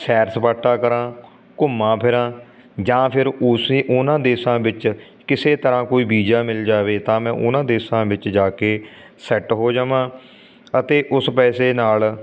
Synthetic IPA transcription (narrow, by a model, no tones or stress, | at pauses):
sʰɛːɾspaːʈːaːkəɾãː | kʊmːãːpʰɪɾãː | d͡ʒãːpʰɪɾʊseːʔʊnãːd̪eːsãːbɪt͡ʃ | kɪseːt̪əɾãːkoːiːbiːd͡ʒaːmɪld͡ʒaːʋeːt̪ãːmɛ̃ːʔʊ̰nãːd̪eːsãːbɪt͡ʃd͡ʒaːkeː | sɛʈɦoːd͡ʒaːʋãː | ət̪eːʔʊspɛːseːnaːl